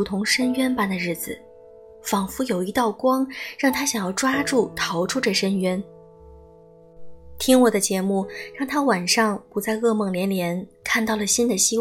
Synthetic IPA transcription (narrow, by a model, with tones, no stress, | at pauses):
u˧˥t̪ʰʊ˧˥ŋʂə˥nɥɛ˥npa˥˩nd̪ə˩ɻɻ̩˥˩d͡zɹ̩˨˩ | fɑ˨˩ŋfu˧˥jo˨˩ʊi˧˥t̪ɑ˥˩ʊkwɑ˥ŋɻɑ˥˩ŋt̪ʰa˥ɕjɑ˨˩ŋjɑ˥˩ʊʈ͡ʂwa˥ʈ͡ʂu˥˩t̪ʰɑ˧˥ʊʈ͡ʂʰu˥ʈ͡ʂɤ˥˩ʂə˥nɥɛ˥n | t̪ʰi˥ŋwɔ˨˩d̪ə˦t͡ɕjɛ˧˥mu˥˩ɻɑ˥˩ŋt̪ʰa˥wa˨˩nʂɑ˥˩ŋpu˨˥t͡sa˥˧ɪɤ˥˧mɤ˥˩ŋljɛ˧˥nljɛ˧˥nkʰa˥˧nt̪ɑ˥˩ʊlə˩ɕi˥nd̪ə˨ɕi˥w